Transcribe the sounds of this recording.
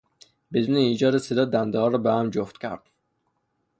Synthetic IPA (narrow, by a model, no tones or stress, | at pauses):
bed̪uːneiːd͡ʒɒːd̪esed̪ɒːd̪ænd̪ɛhɒːɾɒːbehæmd͡ʒoft̪cʲʰæ̰ɾd̪̥